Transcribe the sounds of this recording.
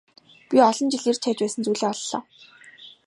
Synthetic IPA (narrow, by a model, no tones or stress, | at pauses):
piɔɮɞ̆nt͡ɕɪɮir̥t͡ɕʰæːt͡ɕpæːsə̆nt͡sujɮeːɔɮːɔ̰ː